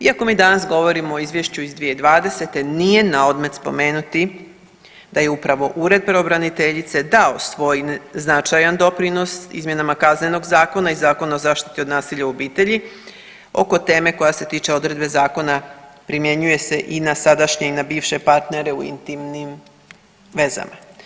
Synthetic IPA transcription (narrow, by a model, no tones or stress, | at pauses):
iako̞miːd̪anasɡo̞ʋo̞ɾimoːizʋjeʃt͡ɕuizd̪ʋije̞id̪ʋaːd̪e̞se̞t̪e̞nije̞naod̪me̞t̪spo̞̰me̞ːnut̪i | d̪̥aje̞upɾaʋo̞ʔuɾe̞d̪̚pɾeobɾanit̪eʎit̪se̞d̪aosʋo̞ːjnznat͡ʃajand̪o̞pɾino̞sḭzmje̞namakazne̞no̞ɡzaːko̞naizaːko̞nao̞zaːʃt̪i̥t̪iod̪naːsiʎauobiːt̪e̞ʎi | o̞̰ko̞t̪e̞ːme̞ko̞jase̞t̪iːt͡ʃe̞o̞d̪ɾe̞d̪be̞zaːko̞napɾimje̞ɲuje̞se̞ʔinasad̪aʃɲeinabiːʋʃe̞paɾt̪ne̞ɾe̞uḭnt̪imnim | ʋe̞za̰ma